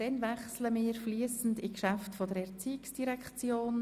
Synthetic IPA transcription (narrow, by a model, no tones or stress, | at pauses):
d̥ɛnvɛχsləmɪːɾfliəsn̩dikʃæftfɔdəɾɛʁt͡siɪksd̥iɾɛkʰt͡sjoːn